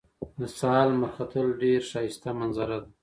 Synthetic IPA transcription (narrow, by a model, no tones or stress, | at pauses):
mɪsɑːlmaxat̪ʰəlɖeɾʃɑjɪst̪amanzaɾad̪a